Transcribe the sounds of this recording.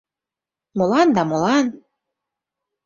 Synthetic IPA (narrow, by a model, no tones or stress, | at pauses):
molɑnd̪ɑmolɑn